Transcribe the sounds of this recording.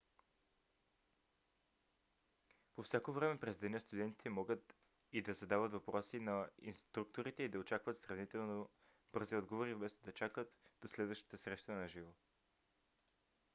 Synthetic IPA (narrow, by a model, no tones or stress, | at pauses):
pofsʲjakovɾɛmɛpɾɛzd̪ɛnəst̪ud̪ɛnt̪i̥t̪ɛmɔɡət̪ | id̪ɐzɐd̪avət̪vɐpɾɔsinɐḭnst̪ɾuk̚t̪oɾit̪ɛid̪ɐot͡ʃakvət̪sɾɐvnit̪ɛlˠno | b̥ɤɾziɔd̪ɡovoɾivbɛst̪od̪ɐt͡ʃakət̪d̪̥oslɛd̪vəʃt̪ə̥t̪əsɾɛʃt̪ənɐʒivo